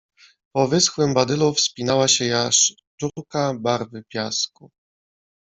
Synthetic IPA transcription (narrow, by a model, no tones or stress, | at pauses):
pɔvɘsxwɘmbad̪ɘlufspʲinawaɕɛjaʂ | tuɾkabaɾvɘpʲjasku